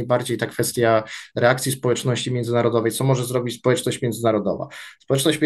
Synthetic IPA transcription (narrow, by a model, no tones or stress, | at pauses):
jbaɾd͡ʑejt̪akfɛst̪ʲjaɾɛak̚t̪sʲispɔwɛt͡ʂnɔɕt͡ɕimʲjɛnzɘnaɾɔd̪ɔvɛjtsɔmɔʐɛzɾɔbʲit͡ɕʲspɔwɛt͡ʂnɔɕt͡ɕmʲjɛnd̪zɘnaɾɔd̪ɔ̰va̰spɔwɛt͡ʂnɔɕt͡ɕmʲ